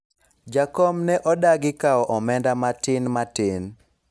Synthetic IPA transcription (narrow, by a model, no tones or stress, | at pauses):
d͡ʒakɔmnɛʔɔdaɡɪkaɔʔɔmɛndamatɪnmatɪn